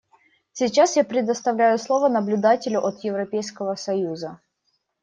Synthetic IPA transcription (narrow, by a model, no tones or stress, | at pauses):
sʲit͡ɕasjapɾʲɪd̪əst̪ɐvlʲæjʊslˠovənəblʲʊd̪atʲɪlʲʊʔɐt̪jɪvɾɐpʲejskəvəsɐjuzə